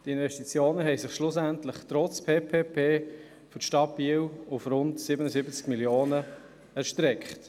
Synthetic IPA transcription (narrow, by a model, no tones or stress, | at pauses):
tɪnvɛʃtit͡sjoːnəɦɛɪsɪχʃlʊs̬æntləχtɾɔt͡spʰeːpʰeːpʰeː | fʏtʃtɑt̚b̥iːwʊfɾʊntsɪbənəzɪbət͡skmiljoːnə | ɛɾʃtɾɛkχt